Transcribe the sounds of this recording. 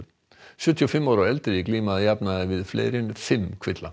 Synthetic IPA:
ʃʉt̪ʰɪofɛmoːɾoɛlt̪ɾəɪkliːmɑjæːpnɑɛʋiːd̪flḛɪɾəʉnəfɛmkʰʋɪt̪lɑ̰

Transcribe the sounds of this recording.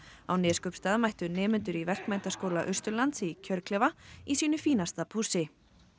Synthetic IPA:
awnɛːskœpst̪aːðmajht̪ʏnɛːmʏnt̪ʏɾivɛr̥kmɛjnt̪askoːwlaʔʏrst̪ʏlant̪sicʰœɾklɛːvaisiːnʏfiːnast̪apʰuːsɪ

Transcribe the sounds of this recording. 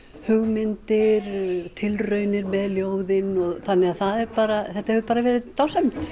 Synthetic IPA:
hʏɣmɪnt̪ɪɾt̪ʰɪlrœɥnɪɾmɛðljoːwðɪnɔɣθanːɪɣaðθaðɛɾpaːɾaθɛht̪ahɛvʏpaːɾavɛːɾɪðt̪aːwsɛmt̪

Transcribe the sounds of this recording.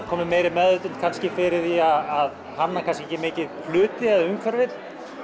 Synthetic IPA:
kʰɔːmɪmeːjɾɪmɛðʏt̪ʏnt̪kʰanscɪfɪɾɪðiaðað | hanːakʰanscɪɛçcːɪmɪːcɪðflʏːt̪ɪɛðaʏŋkʰvɛɾvɪt̪

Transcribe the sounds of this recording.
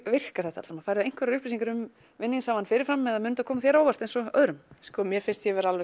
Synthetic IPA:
vɪr̥kaɾθɛht̪a̰t̪sɾɛmafaːɾðaejŋ̥kvɛɾaɾʏhplɪsiŋkaɾʏm | vɪnːinsaːwvanfɪːɾɪɾ̥fɾamːɛðamʏːnʏt̪akʰɔːmaθjɛɾaːwvar̥t̪ejnsɔœðɾʏmskɔmjɛɾfɪnst̪jɛvɛɾalvɛ

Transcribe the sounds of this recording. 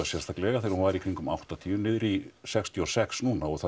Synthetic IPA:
asjɛr̥st̪ʰak̪lɛɣaθɪɾhunvaɾikʰɾiŋkʏma̰wht̪at̪ʰiːʏmnɪðɾisɛkst̪ʰiɔsɛksnuːnaɔɣθa

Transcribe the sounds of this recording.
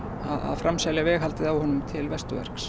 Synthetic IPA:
aða̰ðfɾamsaljavɛːɣɦalt̪ɪðawhɔnʏmt̪ʰɪlvɛst̪ʏvɛ̰ɾ̥ks

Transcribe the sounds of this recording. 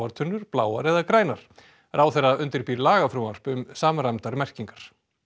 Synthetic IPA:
aɾt̪ʰœnːʏɾ̥plaːwaɾɛðakɾaːjnaɾ̥ | raːwθɛraʏnt̪ɪɾpiɾlaːɣafɾuar̥pʏmsaːmɾamt̪aɾmɛr̥ciŋkḁɾ̥

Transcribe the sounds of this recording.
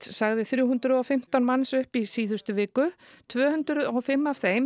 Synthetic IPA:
saɣðɪθɾjʊwɦʏnt̪ɾʏɔwfɪm̥t̪anmansʏhpisiːðʏst̪ʏvɪːkʏ | t̪ʰvœːhʏnt̪ɾʏɔwfɪmːav̥θejm

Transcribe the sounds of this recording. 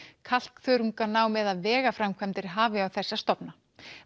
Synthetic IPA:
kʰal̥kθœɥɾuŋkanaːwmɛðaðvɛːɣafɾamkʰvɛmt̪ɪɾɦaːvɪawθɛsːast̪ɔpna

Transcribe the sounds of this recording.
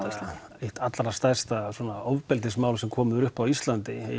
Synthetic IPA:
ejht̪at̪laɾast̪ajst̪aswɔːnaɔwvpɛlt̪̬ɪsmaːwlsɛmkʰɔːmʏɾʏhpawist̪lant̪ɪ̰

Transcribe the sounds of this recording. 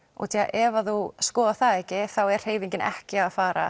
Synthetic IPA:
ɔ̰t̪ʰiːa̰ʔɛvaθuskɔːðaθaɛhcɪθawɛɾ̥heːjviɲcɪnɛ̰hcɪaðfaːɾa̰

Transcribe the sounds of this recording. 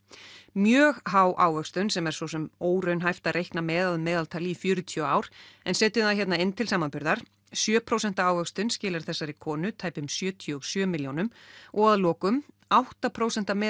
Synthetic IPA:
mjœːɣɦaːwʔaːwvœkst̪ʏnsɛmɛɾ̥sɔsɛmoːwɾœɥnɦajft̪arʔejhknamɛːðaðmɛːðalt̪ʰaːlɪifjʏːɾʏt̪ʰiaːwɾ̥ɛnsɛːt̪ʏaçɛt̪naɪnːt̪ʰɪlsaːmanpʏɾðaɾ̥ | sjœːpʰɾowsɛn̥t̪aaːwvœkst̪ʏnscɪːlaɾ̥θɛsːaɾɪkʰɔːnʏt̪ʰaːjpʏmsjœːt̪ʰjɔɣsjœːmɪljownʏmʔɔɣaðlɔːkʏm | awht̪apʰɾoːwsɛnt̪amɛː

